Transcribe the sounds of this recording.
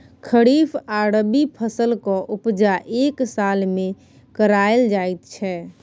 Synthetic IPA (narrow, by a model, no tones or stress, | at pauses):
kʰəɽipʰaɾəbipʰəsəlkɔʔupd͡ʒaʔeksalmẽ | kəɾaeld͡ʒajt̪t͡ʃʰɛ